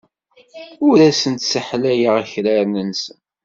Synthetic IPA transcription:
ʊɾæsənt̪səħlæjaʁæçɾaɾnənsən

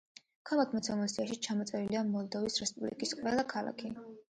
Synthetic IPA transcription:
kʰalˠakʰmɔt̪sʰamɔsiaʃit͡ʃʰamɔt̪sʼɛɾiliamɔlˠd̪ɔvisɾɛspʼublḭkʼisqʼwɛlˠakʰalˠa̰kʰi

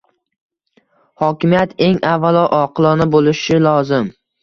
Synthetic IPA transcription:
hɒkʲɪmijat̪ʰe̞ŋavːalˠɒʔɒqʰlˠɒnɪbolɪʃɪlˠɒzɪm

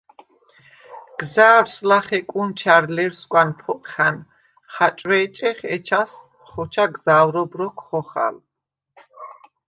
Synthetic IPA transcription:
ɡ̥zaːɾslaχɛkʼunt͡ʃʰaɾlɛɾskʷʼanpʰɔqχan | χat͡ʃʼwɛːt͡ʃʼɛχɛt͡ʃʰas | χɔt͡ʃʰaɡzaːwɾɔbɾɔkʰχɔχa̰l

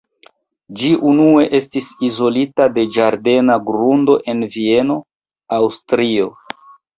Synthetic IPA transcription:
d͡ʒiʔunue̞ʔe̞stisizo̞litade̞d͡ʒaɾde̞naɡɾundo̞ʔe̞nvie̞no̞ | awstɾio̞

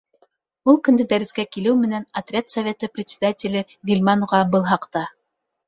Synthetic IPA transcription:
ulˠkɵ̆nd̪ɘd̪æɾɘ̆skækilɘwmɘ̆nænɐt̪rʲat̪sɐvʲet̪əprʲɪt̪ʲsʲɪ̥d̪atʲɪlʲɘ | ɡɵlʲmanuʁɑbɤlˠɦɑqt̪ɑ

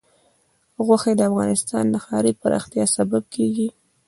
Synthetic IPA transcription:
ɣwaxed̪əafɣɑnɪst̪ɑ̰nləxɑɾipaɾʔɑ̰xt̪jɑsabab̚kʰeɡi

